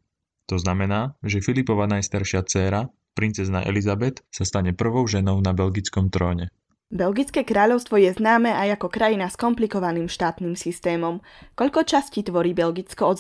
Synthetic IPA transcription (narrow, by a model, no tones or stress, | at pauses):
t̪ɔznamɛnaːʒɛfilipɔʋanajst̪aɾʃɪat͡sɛːɾa | pɾint͡sɛzna̰ʔɛ̰lizabɛt̪sast̪aɲɛpr̩ʋɔʊʒɛnɔʊnabɛlɡit͡skɔmt̪ɾɔːɲɛ | bɛlɡit͡skɛːkɾaːʎɔʊst̪ʋɔjɛznaːmɛːʔajakɔkɾajinaskɔmplikɔʋaniːmʃt̪aːt̪niːmsist̪ɛːmɔm | kɔʎkɔt͡ʃasciːt̪ʋɔɾiːbɛlɡit͡skɔɔ